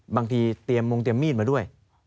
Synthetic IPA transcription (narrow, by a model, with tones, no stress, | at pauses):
baː˧ŋt̪ʰiː˧t̪i˧əmːo˧ŋt̪i˧əmːiː˥˩t̪̚maː˧du˥˩əj